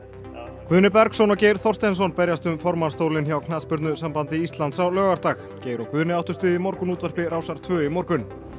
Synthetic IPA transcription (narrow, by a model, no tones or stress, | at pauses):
kvʏːnɪpɛɾksɔnɔcejɾ̥θɔrst̪ɛns̬ɔnpɛɾjast̪ʏmfɔɾmanst̪owlɪnçawkʰnaðspʏɾt̪nʏsampant̪ɪist̪lant̪sawlœːɣaɾ̥t̪ax | ceːjɾɔkvʏːnɪawht̪ʏ̥st̪vɪðimɔɾkʏnuːt̪vɛɾ̥plɪɾraːwsaɾ̥t̪ʰvœːimɔwɾkʏn